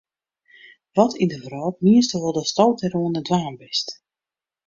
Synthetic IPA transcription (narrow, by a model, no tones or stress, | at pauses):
ʋɔtʰindəvrɔːt̚miəstəʋɔlˠdəstɔwtɛɾoənədʋaːnbɪst